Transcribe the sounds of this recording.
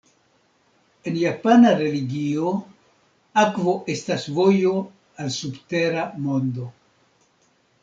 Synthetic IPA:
e̞njapanaɾe̞liɡio̞ | akvo̞ʔe̞stasvo̞jo̞ | alsubte̞ɾamo̞ndo̞

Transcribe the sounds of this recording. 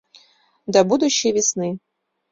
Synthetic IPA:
d̪ɐbud̪uʃevɪsnɨ

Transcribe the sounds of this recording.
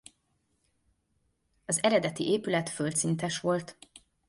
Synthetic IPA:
ɒzɛɾɛd̪ɛt̪ḭʔeːpylɛt̪følt̪sint̪ɛʃʋo̞lt̪

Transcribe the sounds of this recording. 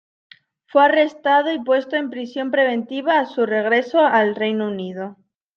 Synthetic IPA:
fwe̞are̞st̪að̞oipwe̞st̪oe̞mpɾisjo̞mpɾe̞β̞ẽ̞nt̪iβ̞aːsure̞ɣ̞ɾe̞soalre̞jnounið̞o

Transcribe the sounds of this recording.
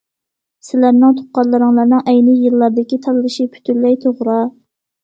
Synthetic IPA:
sɪlæɾnɪŋt̪ʰo̥qɑɾlˠɨɾɨŋlˠɑɾnɨŋʔɛjnɪjɨlˠːɑɾd̪ɪkʲit̪ʰɑllˠɨʃipʰy̥t̪ʰyllɛjt̪ʰoʁɾɑ

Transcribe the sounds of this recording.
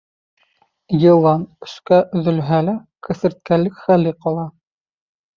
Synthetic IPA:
jɤ̆lˠɑnɵ̆skæʔɵðɵ̆lɦælækɘ̆θɘ̆ɾt̪̚kælɘkχælːiqɑlˠɑ

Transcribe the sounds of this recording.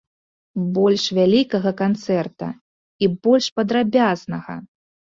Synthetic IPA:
bɔlʲʂvʲalʲikɐɣɐkant̪sɛrt̪ɐ̰ | ibɔlʲʂpɐd̪ɾabʲaznɐɣɐ̰

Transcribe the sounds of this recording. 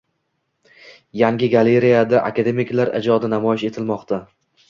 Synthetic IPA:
jaŋɡʲɪɡale̞ɾijad̪aʔa̰kʲad̪e̞mɪkʲlaɾʔɪ̰d͡ʒɒd̪ɪnamɒjɪʃe̞t̪ʰɪlmɒqt̪ʰa

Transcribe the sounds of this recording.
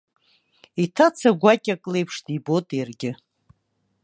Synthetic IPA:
itʰat͡sʰaɡʷakʲʼakʼlejpʰʂdibotʼjarɡʲɪ

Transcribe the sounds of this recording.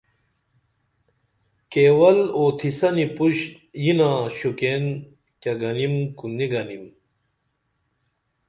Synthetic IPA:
keːwɐloːt̪ʰisɐnipuɕ | jinaːɕuken | kɐɡɐnimkuniɡɐnim

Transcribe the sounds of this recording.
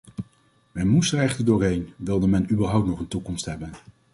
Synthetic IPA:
mɛnmustərɛχtədʊːɹɦejnʋɪlˠdəmɛnybəɹɦʌwtnɔχəntukɔmstɦɛbən

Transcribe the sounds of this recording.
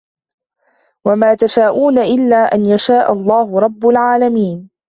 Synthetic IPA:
wamaːt̪aʃaːʔuːnaʔɪlːaːʔanjaʃaːʔa̰lˤːɑːɦʊɾˤɑbːʊlʕaːlamiːn

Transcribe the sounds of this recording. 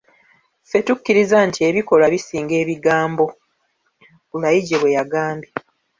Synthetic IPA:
fe̞tukːiɾizantʰie̞βiko̞laβisiːŋɡe̞ːβiɡaːmbo̞ | kulajiɟe̞βwe̞jaɡaːmbe

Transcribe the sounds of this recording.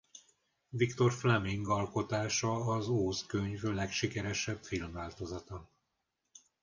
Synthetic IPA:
vikt̪o̞rflɛmiŋɡɒlko̞t̪aːʃɒːzoːzkøɲvlɛkʃikɛɾɛʃɛbfilmvaːlt̪o̞zɒt̪ɒ

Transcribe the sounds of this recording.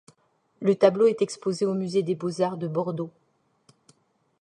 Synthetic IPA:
lət̪abloɛt̪ɛkspozeomyzed̪ebozaʁd̪əbɔʁd̪o

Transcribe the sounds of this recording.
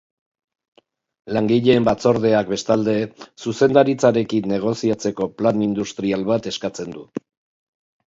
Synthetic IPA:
laŋɡiʎe̞ːmbat͡so̞ɾðe̞ak̚be̞st̪ald̪e̞suse̞nd̪aɾit͡saɾe̞kinːe̞ɣ̞o̞siat͡se̞ko̞planind̪ust̪ɾialβat̪e̞skat͡se̞nd̪u

